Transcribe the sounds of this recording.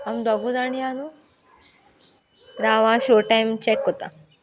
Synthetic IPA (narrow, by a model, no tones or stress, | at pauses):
amd̪ɔɡudanijãnu | ɾaʋãɕoɾʈajmt͡ɕɛkɦot̪a̰